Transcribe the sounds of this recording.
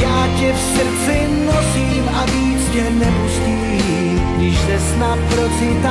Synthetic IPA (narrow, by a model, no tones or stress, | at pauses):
jaːcɛfsr̩t͡sɪ | nosiːmaviːt͡scɛnɛpusciː | ɡdɪʒzɛsnapɾosɪt̪a